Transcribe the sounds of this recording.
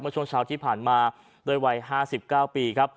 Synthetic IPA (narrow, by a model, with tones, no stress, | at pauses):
mɯ˥˩əu˥˩əŋt͡ɕʰaː˦˥wt̪ʰiː˥˩pʰaː˨˩nmaː˧ | doː˥˩jwa˦˧jɦaː˥˩si˨˩p̚kaː˥˩wpiː˧kʰa˦˥p̚